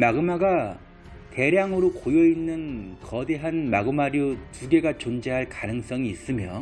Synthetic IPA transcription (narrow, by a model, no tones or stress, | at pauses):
maɡɯmaɡa | te̞ɾjaŋɯɾokojʌinːɯnkʌde̞ɦanmaɡɯmaɾjotuɡe̞ɡat͡ɕond͡ʑeɦaɭkanɯŋs͈ʌŋiːs͈ɯmjʌ